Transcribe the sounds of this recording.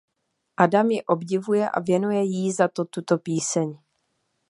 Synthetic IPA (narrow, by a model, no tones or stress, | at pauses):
ʔadamjɪʔo̞bɟɪvujɛʔa̰vjɛnujɛjizat̪o̞t̪ut̪o̞piːsɛɲ